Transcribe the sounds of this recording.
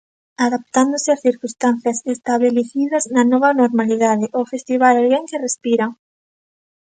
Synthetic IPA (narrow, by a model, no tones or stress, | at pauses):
aðap̚t̪and̪ʊsɪasθiɾkust̪an̟θjɐsest̪aβeleθiðɐznɐnɔβɐnoɾmaliðaðɪʔofest̪iβalalɣeŋkerespiɾa